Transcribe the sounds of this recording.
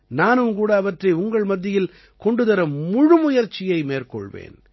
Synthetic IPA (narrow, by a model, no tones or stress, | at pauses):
naːnɯmkuːɽɐːʋɐʈrɐɪʊŋɡɐɭmɐd̪ːɪjɪl | kɔɳɖɯðɐɾɐmʊɻɯmʊjɐɾt͡ʃːɪjɐɪmeːrkɔ̰ɭʋḛːn